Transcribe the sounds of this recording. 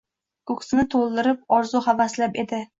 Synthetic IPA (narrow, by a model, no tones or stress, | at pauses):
kʊksnɪt̪ʰolˠd̪ɪɾɪp̚ɒɾzʊhavaslape̞d̪ɪ